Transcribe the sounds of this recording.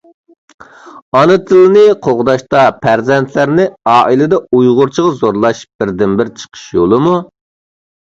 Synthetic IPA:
ɑnɨt̪ʰɨlˠɨnɪqʰoʁd̪ɑʃt̪ɑpʰæɾzɛnt̪ʰlæɾnɪɑːʔilɪd̪ɛujʁʊɾt͡ʃʰəʁɑzoɾlˠɑʃb̥ɪɾd̪ɪmbɪɾt͡ʃʰə̥qʰə̥ʃjolˠɨmu

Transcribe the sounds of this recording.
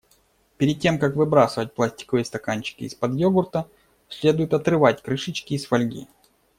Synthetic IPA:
pʲɪɾʲɪd̪̚ʲtʲːe̞mkakvɨbɾasɨvət̚ʲplˠasʲtʲɪ̥kəvɨst̪ɐkanʲt͡ɕɪ̥kʲɪːspɐd̪joɡʊrt̪ə | sʲlʲe̞d̪ʊjʊt̪ɐt̪ɾɨvat̚ʲkɾɨʂɨt͡ɕkʲɪːsfɐlʲɡʲḭ

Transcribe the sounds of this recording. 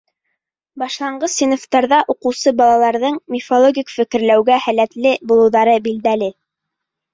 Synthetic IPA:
bɑʃlˠɑɴɢɤsːinoft̪ɑɾðɑʔuqɤ̆wsɤbɑlˠɑlˠɑɾðɤɴmʲɪfolˠoɡʲikfɘ̆kɘ̆ɾlæwɡæhælæt̪lɘbulˠɤ̆wðɑɾɤbild̪ælɘ

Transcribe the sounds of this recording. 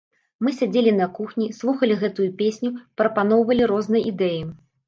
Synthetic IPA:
mɨsʲad͡zʲelʲinɐkuxnʲislˠuxɐlʲiɣɛt̪ujupʲesʲnʲupɾɐpanɔwvɐlʲiɾɔznɐjid̪ɛji

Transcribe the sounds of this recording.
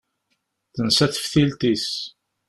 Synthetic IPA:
θənsæθə̥fθilt̪is

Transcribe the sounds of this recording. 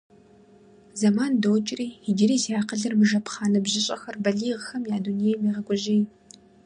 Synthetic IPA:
zɐmaːndowt͡ʃʼɪriːidiɾiːzjaːqəɮɐrmɨʒɐpχaːnɐbʑɪɕʼɐxɐrbɐɮiːʁxɐmjaːdunijɛmiːʁɐkʷʼɔʒeːj

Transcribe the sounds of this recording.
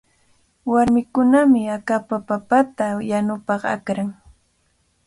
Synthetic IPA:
waɾmɪkʊnamɪakapapapat̪ajanʊpɑqa̰kɾaŋ

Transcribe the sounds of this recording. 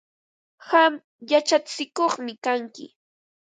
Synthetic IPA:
ham | jat͡ʃat͡sɪkoχmɪkaŋkɪ̰

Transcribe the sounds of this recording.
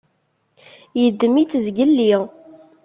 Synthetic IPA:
jəd̪ːəmit͡sːzɡəlːiʁ

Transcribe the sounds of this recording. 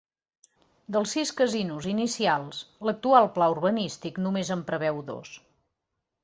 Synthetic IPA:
d̪əlˠsːiskəzinuzinisialˠslək̚t̪ualˠplaurβənist̪iknumezəmpɾəβɛwðo̰s

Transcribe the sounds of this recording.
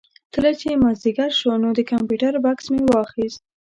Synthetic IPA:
t̪əlat͡ʃemazd̪iɡaɾʃonod̪əkampjuʈaɾbaksmewɑxist̪̚

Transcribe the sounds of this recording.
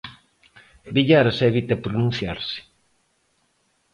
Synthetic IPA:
biʎaɾasɛβit̪ɐpɾonũn̟θjaɾsɪ̥

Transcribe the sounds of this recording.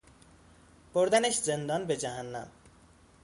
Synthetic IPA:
poɾd̪aneʃd͡zend̪ʌnbed͡ʒaɦanːa̰

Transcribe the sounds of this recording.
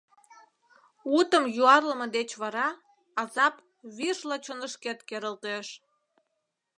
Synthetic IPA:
ut̪əmjuɑrlə̆məd̪et͡ɕβɑɾɑ | ɑzɑp | βirʃlɑt͡ɕonəʃket̪keɾəlt̪eʃ

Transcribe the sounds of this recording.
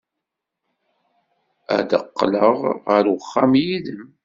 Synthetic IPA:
æ̰d̪ə̰qːləʁʁəɾwəχːamjiðəm

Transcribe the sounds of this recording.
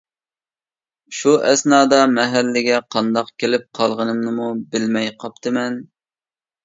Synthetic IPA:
ʃuʔɛsnɑːd̪ɑmɛɦælːɪɡʲɛqʰɑnd̪ɑqkʲʰelɪp̚qʰɑlˠʁənɨmnɨmubɪlmɛjqʰɑp̚t̪ʰɨmɛn

